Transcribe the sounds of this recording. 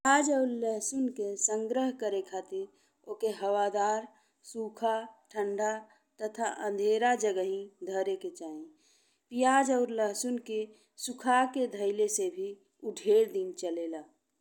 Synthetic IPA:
ad͡ʒəʊɾləɦsʊnkesə̃ŋɡɾəɦkəɾekʰaːt̪iɾ | oːkeɦəwad̪aːɾ | suːkʰaʈʰə̃ɳɖʱa | t̪ət̪ʰaʔə̃nd̪ʱeːɾad͡ʒəɡəɦĩd̪ʱəɾeket͡ʃaːẽ | pijaːd͡ʒəʊɾləɦsʊnke | sukʰaked̪ʱəɪlesebʱi | ʊɖʱeɾd̪int͡ʃəlelaː

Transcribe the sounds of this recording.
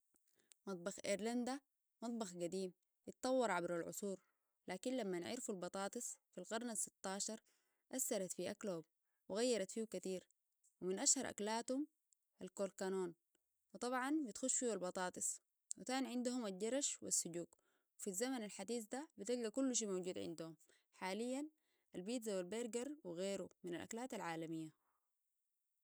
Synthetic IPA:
mɑt̪̚ˤbɑxʔeɾland̪a | mɑt̪̚ˤbɑxɡad̪iːm | jit̪t̪ˤɑwːɑɾˤʕabɾalʕʊ̰sˤuːɾ | laːkinlamːanʕḭɾfulbɑt̪ˤɑːt̪ˤɨsˤfilɣɑɾˤnasːit̪ːɑːʃɑɾˤ | ʔasːɑɾˤɑt̪fiʔakloːub̚ | wɪɣajːɑɾˤɑt̪fiːhukat̪iːɾ | wiminʔaʃhɑɾˤʔa̰klaːt̪hum | ʔalkoːlkanoːn | wɨt̪ˤɑbʕɑnbit̪xuʃfiːwalbɑt̪ˤɑːt̪ˤɨsˤ | wit̪aːnʕɪnd̪uhumalɟɑɾˤɑʃwḭsːʊɟuːɡ | wfizːamanalħad̪iːzd̪abit̪ilɡakulːʃ̬iːmowɟuːd̪ʕɪ̰nd̪uhum | ħaːlijːan | ʔalbiːt̪zawalbeːɾɡɑɾˤwiɣeːɾuminalʔa̰klaːt̪alʕaːlamijːa

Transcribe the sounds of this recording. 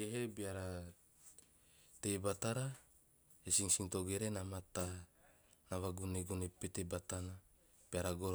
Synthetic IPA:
eɦebiaɾa | t̪ejbat̪aɾa | esiŋsiŋt̪oɡeɾenamat̪a | naβaɡuneɡunepet̪ebat̪ana | b̥iaɾaɡoɾ

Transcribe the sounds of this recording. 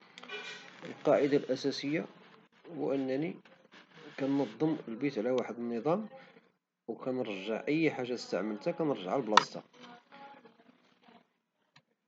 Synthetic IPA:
əlqɑʕəd̪alʔæsæsəjːa | ṵʔənːæni | kænːɑd̪ˤːəməlbit̪ʕlæwaħəd̪ənːəd̪ˤɑm | wkænəɾˤəʒəʕʔəjːħaʒːat̪ə̥st̪əʕməlt̪ækænəɾˤʒə̰ʕalblɑst̪ɑ̰

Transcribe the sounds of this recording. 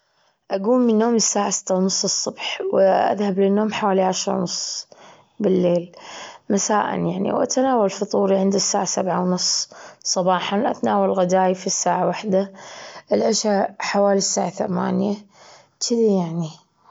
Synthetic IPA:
ʔaɡuːmːɪnːoːmɪsːaːʕasɪ̥t̪ːawnʊsˤːɨsˤːʊbħwʔa̰ðhablɪnːoːmħawaːliʕaʃɾˤɑ̰wnʊsˤː | bɪlːeːlmasaːʔa̰njaʕnḭwʔa̰t̪anaːwalfit̪ˤuːɾiʕɪnd̪ɪsːaːʕasabʕawnʊsˤːsˤɑbɑːħɑnʔa̰t̪naːwallɣad̪aːjfisːaːʕawaħd̪aʔɪlʕaʃħawaːlisːaːʕaθama̰ːnja | t͡ʃɪd̪ijaʕni

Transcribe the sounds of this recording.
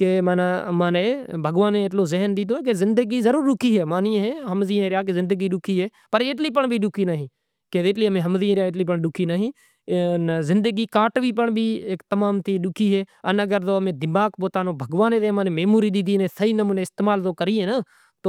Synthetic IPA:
keːmnːmaːneːbʱəɡʋaːnẽːt̪̬loːzɪɦnd̪ɪt̪oːek̬ezɪnd̪əɡiːzəɾuːɾɗʊkʰiːɦeːmaːniːɦẽːɦəmziːɦẽːɾɪjaːk̬ezɪ̃nd̪əɡiːɗʊkʰiːɦeː | pəɾɪt̪̬liːp̬əɳbʱiːɗʊkʰiːnaːɦĩː | keɪt̪liːəmẽːɦəmziːɦẽːɾɪaːɪt̪liːp̬əɳɗʊkʰiːnaːɦĩː | nzɪnd̪əɡiːkaːʈʋiːp̬əɳbʱiːekt̪əmaːmt̪iːɗʊkʰiːɦeːənəɡəɾt̪oːəmẽːd̪ɪmaːkpoːt̪aːnõːbʱəɡʋaːneːt̪eːmãːnẽːmeːmuːɾiːɗ̪ɪt̪iːneːsʰəiːnəmuːneːɪst̪eːmaːlt̪oːkəɾiːẽːnaː | t̪oː

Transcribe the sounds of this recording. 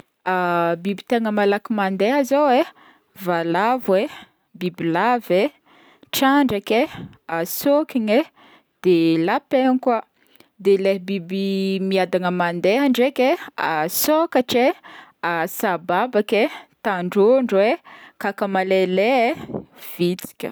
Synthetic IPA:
abibit̪eŋəmalakimand̪eɦazowe | valavwe | bibilave | ʈ͡ʂaɳɖ͡ʐake | asokʲiɲe | d̪̥elapeɲka | d̪eleɦbibimiad̪aŋəmand̪eɦaɳɖ͡ʐekʲeasokaʈ͡ʂeasababaket̪aɳɖ͡ʐoɳɖ͡ʐwekakamalele | v̥it͡si̥kʲə̰

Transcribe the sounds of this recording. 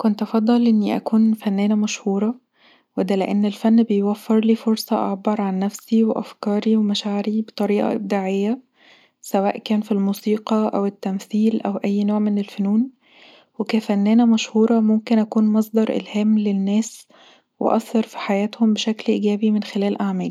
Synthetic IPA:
kont̪ʔɑfɑd̪ˤːɑlʔenːiʔæ̰kuːnfænːæːnæmæʃhuːɾˤɑ | wed̪æleʔenːelfænːbejwæfːeɾliːfoɾsˤɑʔɑʕbɑɾˤʕanːæfsiweʔæ̰fkɑːɾiwemæʃaʕeɾibet̪ˤɑɾiːʔɑ̰ʔeb̚d̪aʕejːæ | sæwæ̰ːʔkæːnfilmuːsiːqɑʔæwet̪ːæmθiːlʔæwʔæjːnoːʕmenelfonuːn | wekæfæenːæːnæmæʃhuːɾˤɑmomkenʔækuːnmɑsˤd̪ˤɑɾˤʔḛlhæːmlenːæːs | wḛʔɑ̰θːɑɾˤfi̥ħajæːt̪hombeʃæklʔḭːɡæːbimenxelæːlʔaʕmæːli

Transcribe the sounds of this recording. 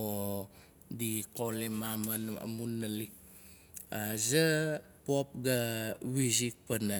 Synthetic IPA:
o | dikolemamana̰munːalik̚ | aza | pop̚ɡawizik̚pana

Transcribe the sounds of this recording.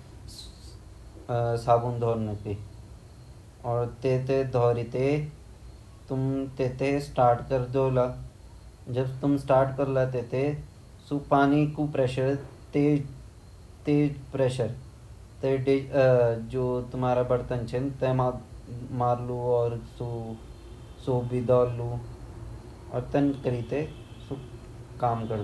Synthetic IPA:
saːbund̪ʱɔːɾnəki | ɔːɾt̪eːt̪ed̪ʱɔːɾit̪e | t̪ʊmt̪eːt̪esʈaːɾʈkəɾd̪oːla | d͡ʒɐbt̪ʊmsʈaːɾʈkɐɾlat̪eːt̪e | supaːnikupɾeːʃəɾt̪eː | t̪eːd͡ʒpɾeːʃəɾ | t̪eɖe | d͡ʒoːt̪umaːɾabɐɽt̪ənt͡ʃʰent̪ẽamaːɾluɔːɾsu | soːbid̪aːlu | ɔ̰ːɾt̪ɐnkəɾiːt̪e | su | kaːmkəɾ

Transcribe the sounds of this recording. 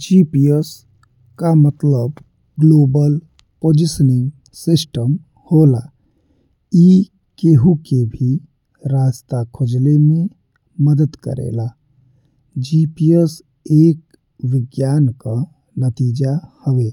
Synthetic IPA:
d͡ʒiːpies | kamət̪ləb | ɡloːbəl | poːd͡ʒɪsənɪ̃ŋɡ | sɪsʈəm | hoːla̰ | i | keɦukebʱi | ɾaːst̪akʰʊd͡ʒlemẽ | məd̪əd̪kə̰ɾḛːlaː | d͡ʒiːpies | eːk | ʋɪɡjaːnka | nət̪iːd͡ʒahəʋeː

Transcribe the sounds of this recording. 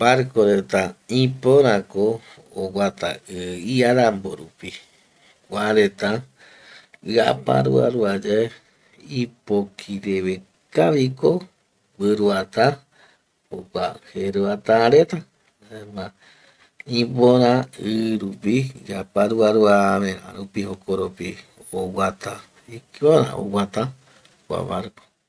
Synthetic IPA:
paɾkoɾet̪ãĩpoɾãkoː | ɡat̪a̰ɨiaɾamboɾṵpi | wʷaɾet̪ã | ɨa̰pã̰ɾṵa̰ɾuad͡ʒe | ipokʰiɾeβe | kaβiko | wɨɾuat̪ã | oɡʷaheɾuat̪ãɾet̪a | mã | ĩboɾãɨɾupiapaɾuaɾuamẽɾã̰ɾupihokʰoɾopi | owat̪a | ikoɾã̰o̰wat̪ã | kʷa̰βa̰ɾko

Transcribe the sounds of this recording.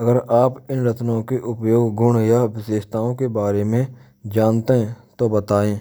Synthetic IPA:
ɐɡəɾaːpɪnɾət̪nõkeʔʊpjoːɡɡʊɳjaʋɪseːʃt̪aːõkebaːɾemẽ | d͡ʒaːnt̪eɦɛ̃t̪obət̪aːẽː

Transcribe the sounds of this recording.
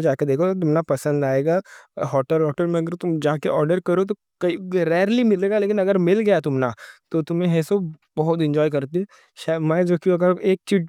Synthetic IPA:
d͡ʒaːked̪eːkʰot̪ʊmnapɐsə̃nd̪aːeːɡaɦɔːʈəlɦɔːʈəlmẽɐɡəɾt̪ʊmd͡ʒakeʔɔːɾɖəɾkɐɾot̪̬o | kɐiɾɛːɾlimɪleːɡaleːkɪnɐɡəɾmɪlɡɐjat̪ʊmnat̪ot̪ʊmẽɦɛsobɐɦʊt̪̬ɪ̃ɲd͡ʒɔːjkɐɾt̪ĩ | ʃaːmɛ̃ːd͡ʒoːkiɐɡəɾeːk̚t͡ʃiː

